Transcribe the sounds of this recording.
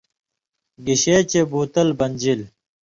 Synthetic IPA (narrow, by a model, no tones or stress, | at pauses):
ɡiɕeːt͡ɕebuːt̪ɐlbɐnʲd͡ʑil